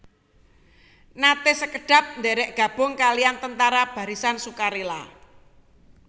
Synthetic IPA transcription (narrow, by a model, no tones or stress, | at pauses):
nat̪esəkəɖ̥ä̤p̚nd̪ɛɾɛʔɡ̥a̤b̥ʊ̤ŋkaliant̪ənt̪aɾab̥a̤ɾisansukaɾila̰